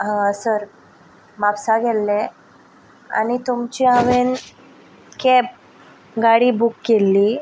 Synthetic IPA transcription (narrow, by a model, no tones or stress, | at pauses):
ɦãsəɾ | mapsaɡʱɛlːe | a̰nit̪umt͡ɕiaʋen | kep̚ | ɡaɽiːbukːelːi